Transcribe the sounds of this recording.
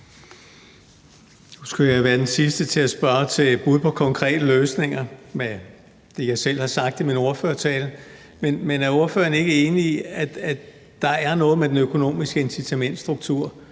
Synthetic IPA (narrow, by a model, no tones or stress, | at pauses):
nusɡ̥ujɑ̈ʋæːɐd̥ensisd̥ət͡sʰe̝æsb̥ɶɐt͡sʰe̝b̥uð̞̩ˠpʰɒ̽kʰɒ̽ŋkʰʁɛ̰ːd̥əløːsne̝ŋɐme | d̥e̝jɑ̈ɪsel̰hɑ̈sɑ̈ɡ̥d̥imino̝ɐføːɐt͡sʰɛːl | menmenæɐo̝ɐfø̰ːɐne̝ɡ̥əe̝ːniiæd̥æ | d̥ɑ̈æɐnɔ̽ːð̞̩ˠmed̥enøkʰo̝no̝̰ːmisɡ̥əe̝nsit͡sʰæmen̰d̥sd̥ʁuɡ̥̚t͡sʰuɐ̰